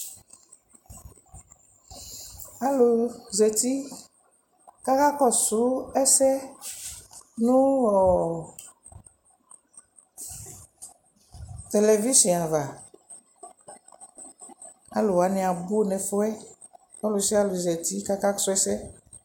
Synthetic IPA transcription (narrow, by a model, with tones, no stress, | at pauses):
a˨lo˨zɛ˨t̪i˦ | ka˦ka˦kɔ˦su˨˦ɛ˦sɛ˦ | nũ˦wɔ˨ | t̪e˨le˨vi˦sĩ˨a˨va˨ | a˦lo˨wa˨˦nɛ̃˨a˨bo˦nɛ̃˨fo˦ɛ˦ | ɔ˦lo˨si˦a˦lo˨zɛ˨t̪i˦ka˦ka˦ksu˦ɛ˦sɛ˦